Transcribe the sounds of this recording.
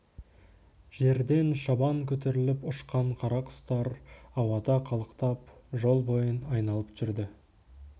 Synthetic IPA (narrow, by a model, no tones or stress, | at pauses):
ʒ̥e̞ɾd̪e̞nʃɑbɑŋkʲʰɵt̪̬e̞ɾɪlɪpʊʃqɑɴqʰɑɾɑqʊ̥st̪ɑɾɑwɑd̪ɑqʰɑlˠəqt̪ɑpʒo̞lˠbo̞jənɑjnɑlˠəpʒ̥ʏɾd̪ɪ